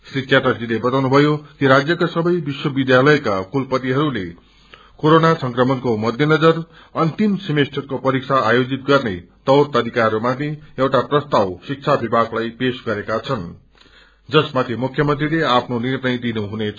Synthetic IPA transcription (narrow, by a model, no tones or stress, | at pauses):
srit͡sjaʈʌrd͡zilebʌt̪awnubʱʌjokiɾad͡zjʌkasʌbʌjbiswʌbid̪jalʌjkakulpʌt̪iɦʌɾule | koɾonasʌŋkrʌmʌnkomʌd̪ʱjʌnʌd͡zʌr | ʌnt̪imsʌmesʈʰʌtkopʌɾik̚sʰaːjod͡zit̪̚ɡʌrnet̪ʌwrt̪ʌɾikaomat̪ʰeewʈaprʌst̪awsik̚t͡sʰabibʱaɡlajpesɡʌɾekat͡sʰʌn | d͡zʌsmat̪ʰimukʰjʌmʌnt̪rileapʰnonirnʌjd̪inuɦunet͡sʰ